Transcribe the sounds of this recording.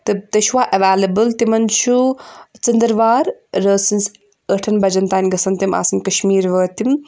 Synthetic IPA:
t̪ɨt̪ɐʃwaːʔɐʋaːlɐbɨlt̪imɐnt͡ʃʰut͡sɐnd̪ɾʋaːɾːəːsins | əʈʰɐnbɐd͡ʒɐnt̪aːnʲɡɐsɐnt̪imʔa̰ːsɐnʲkɐʃmiːɾʋəːt̪im

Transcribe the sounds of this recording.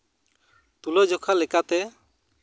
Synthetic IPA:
t̪ulɔd͡ʒɔkʰalɛkat̪ɛ

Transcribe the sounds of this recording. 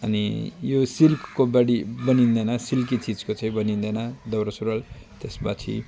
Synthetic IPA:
ʌnḭjosilpʰkobʌɽibʌnind̪ʌjnʌsilk̬it͡sid͡zkot͡sʌ̃ĩbʌnĩnd̪ʌjnad̪ʌwɾʌsuɾʌl | t̪esbat͡sʰḭ

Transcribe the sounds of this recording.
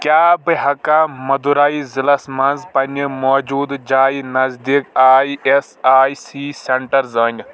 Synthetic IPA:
kʲjaːbɐɦɐkaːmɐd̪uɾaːizilɐsmɐnzpɐnimɔːd͡ʒuːd̪d͡ʒaːinɐzd̪ikaːiesaːisiːseɳʈɐɾzəŋʲɡ

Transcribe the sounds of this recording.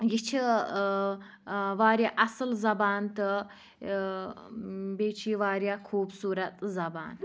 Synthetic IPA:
jit͡ʃʰi | ʋaːɾjaʔɐsɨlzɐbaːnt̪ɨ | beːt͡ʃʰiːʋaːɾjakʰuːbsuːɾɐt̪zɐba̰ːn

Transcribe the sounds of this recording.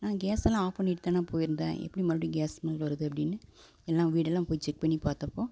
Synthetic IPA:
nãːɡeːsɛlãːaːpɐnːɪʈt̪ːãːnaːpoːjɪɾɯnd̪ã̰ːʔɛ̰pːɐɽimɐɾɾiɡeːsmɐlʋɐɾɐðɯɐpːɐɽɪnːɯ | ɛlːãːʋiːɽɛlːãːpoːjt͡ʃːɛk̚pɐɳːipaːɾt̪ɐpːoː

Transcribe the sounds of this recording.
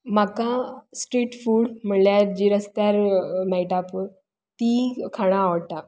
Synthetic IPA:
makasʈɾiːʈfuːɽm̤əɳljaɾd͡ʑiːɾəst̪jaɾmajʈapə | t̪ikʰaɽ̃ãːʋʈ̪a

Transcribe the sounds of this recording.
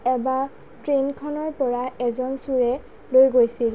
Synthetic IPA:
ɛba | tɹenkʰɔnɔɹpɔɹaɛzɔnsuɹɛ | lojɡojsil

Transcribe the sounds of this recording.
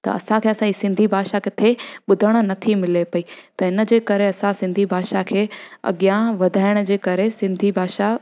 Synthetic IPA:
t̪ɐ̰ɐ̰sãkʰeːɐsãisɪ̃nd̪ʱibʱaːʃakʰeːt̪ʰeɓʊd̪ʱəɽ̃ə̆nɐt̪ʰimɪlepɐit̪ɐɦɪnə̆d͡ʑeːkɐɾeɐsãsɪ̃nd̪ʱibʱaːʃakʰeːɐ̰ɠijãʋɐd̪ʱaːɪɽ̃əd͡ʑeːkɐɾesɪ̃nd̪ʱibʱaːʃa

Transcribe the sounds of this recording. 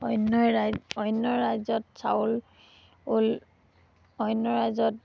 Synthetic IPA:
ɔjnːɔɔjnːɔɹajzɔtsa̰ʊl | ol | ɔjnːɔɹajzɔt̚

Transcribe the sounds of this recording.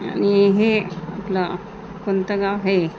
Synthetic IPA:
a̰niɦeat̪la | kunt̪aɡawɦe

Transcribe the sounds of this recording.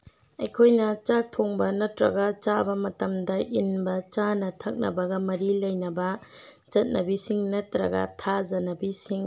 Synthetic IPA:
ɐjkʰojnɐt͡ʃak̚tʰoŋbɐnɐtɾɐ̰ɡɐt͡ʃabɐmɐtɐmdɐʔinbɐt͡ʃanɐtʰɐk̚nɐ̰bɐɡɐmɐɾilɐjnɐbɐ | d͡ʒɐt̚nʔɐbisiŋnɐtɾɐ̰ɡɐ̰tʰazɐnɐbisiŋ

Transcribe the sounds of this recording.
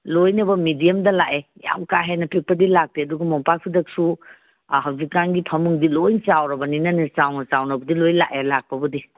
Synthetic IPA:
lojnɐbɐmidijɐmdɐlaʔeja̰mkaɦenɐpʰik̚pɐdilak̚teɐduɡɐmɔmpak̚pʰidɐk̚su | ɦawzikaŋɡipʰɐmuŋdilojt͡ʃawɾɐbɐninɐnit͡ʃawnɐt͡ʃawnɐbɐdilojla̰ʔelak̚pɐbɐdi

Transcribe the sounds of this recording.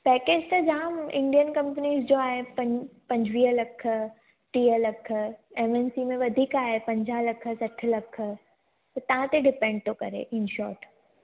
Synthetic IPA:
pɛːkeːd͡ʑt̪ɐd͡ʑamɪ̃ɳɖijənkɐ̃mpəniːzd͡ʑoaːɦepɐ̃pɐ̃ɲd͡ʑʱʋiːɦəlɐkʰ | ʈiːɦəlɐk̆ʰemensimẽʋɐd̪ʱiːkaːɦepɐ̃ɲd͡ʑalɐkʰə̆sɐʈʰəlɐkʰə̆ | t̪ɐt̪ɐɦãt̪eɖɪpẽɳɖ̚t̪okɐɾḛʔɪnʃɔ̰ːɾʈ

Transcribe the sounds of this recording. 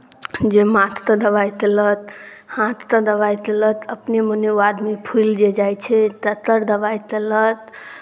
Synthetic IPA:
d͡ʒemat̪ʰt̪əd̪əbajt̪elət̪ | hãt̪ʰt̪əd̪əʋajt̪elət̪əpneməneoad̪mipʰuld͡ʒed͡ʒajt͡ʃʰɛt̪ət̪əɾd̪əbajt̪elət̪

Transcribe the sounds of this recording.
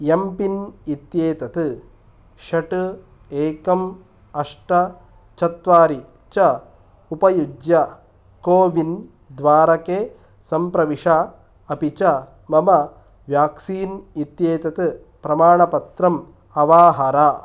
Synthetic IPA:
jɐmpinit̪jeːt̪ɐt̪ɨ | ʃɐʈɨ | eːkɐm | ɐʂʈɐ | t͡ʃɐt̪ʋaːɾi | t͡ʃɐ | upɐjud͡ʒjɐ | koːʋin | d̪ʋaːɾɐkeː | sɐmpɾɐʋiʂɐ | ɐpit͡ʃɐ | mɐmɐ | ʋjaːksiːnit̪jeːt̪ɐt̪ɨ | pɾɐmaːɳɐpɐt̪ɾɐm | ɐʋaːɦɐɾaː

